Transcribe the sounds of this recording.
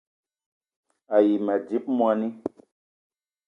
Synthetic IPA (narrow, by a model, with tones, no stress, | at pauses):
a˨ji˨mɛ˨d͡ʒi˦p̚mwa˧ni˦